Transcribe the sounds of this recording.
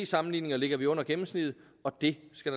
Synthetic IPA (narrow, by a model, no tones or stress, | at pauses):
ḭːsɑ̈mn̩liːne̝ŋɐle̝ɡ̥ɐʋiɔ̽n̰ɐɡ̥emm̩snið̩ˠ | ɒ̽d̥e̝sɡ̥æd̥ɑ